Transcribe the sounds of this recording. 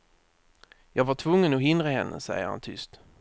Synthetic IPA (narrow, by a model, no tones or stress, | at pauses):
jɑːɡvaʈʰvɵŋːənɔɦɪnd̪ɾaɦɛnːə̰sɛ̰jəɾha̰nt̪ʰʏst̪